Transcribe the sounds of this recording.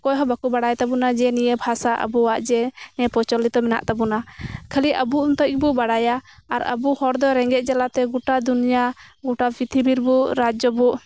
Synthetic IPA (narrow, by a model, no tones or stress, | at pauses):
kɔjɦɔbakubaɽajt̪abunad͡ʒɛnijɛbʱasaʔə̰buwaʔd͡ʒɛnɛpɔt͡ʃɔlit̪ɔmɛna̰ʔt̪abunakʰəliʔəbuunt̪ɔc̚bɔbaɽajaaɾə̰buhɔɾd̪ɔɾɛŋɡɛʔ̪̚ˀd͡ʒalat̪ɛɡuʈad̪unijaɡuʈabit̪ʰibiɾbuɾad͡ʒɔbuʔ